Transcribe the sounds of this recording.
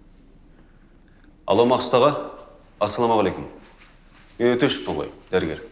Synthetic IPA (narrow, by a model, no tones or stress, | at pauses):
ɑ̰lˠɑmɑqst̪ɑʁɑ | ɑsːɑlˠɑmɑʁɑlejkʊm | menet̪eʃɪ̥t̪olˠɑ̰jd̪æɾɪɡʲe̞ɾ